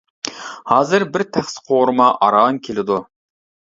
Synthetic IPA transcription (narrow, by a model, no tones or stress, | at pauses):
hɑːzɨɾbɪɾt̪ʰæχsɪ̥qʰoɾɨmɑʔɑɾɑŋkʲʰelɪd̪u